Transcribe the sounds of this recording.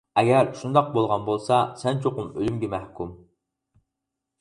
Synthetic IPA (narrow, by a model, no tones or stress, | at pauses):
ɛɡʲɛɾʃund̪ɑq̚bolˠʁɑnbolˠsɑsɛnt͡ʃʰoqʊmølymɡʲɛmɛhkʲum